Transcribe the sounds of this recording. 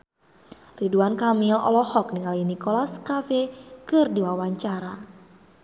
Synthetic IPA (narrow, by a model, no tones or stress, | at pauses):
riduankamilɔ̰lɔhɔk̚niŋalinikɔlaskafɛkɨrdiwawaɲt͡ʃaɾa